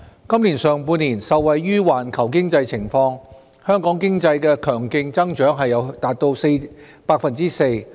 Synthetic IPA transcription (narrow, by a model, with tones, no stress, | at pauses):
kɐ˥mliː˨˩nsœː˨ŋpuː˧nːiː˨˩nsɐ˨wːɐ˨jːyː˥waː˨˩nkʰɐ˨˩wkɪ˥ŋt͡sɐ˧jt͡sʰɪ˨˩ŋfɔː˧ŋ | hœː˥ŋkɔː˨˥ŋkɪ˥ŋt͡sɐ˧jkɛː˧kʰœː˨˩ŋkɪ˧ŋt͡sɐ˥ŋt͡ʃœː˨˥ŋɦɐ˨jːɐ˨˧wt̪aː˨t̚t̪o˧wse˧j | paː˧k̚fɐ˨nt͡siː˥se˧j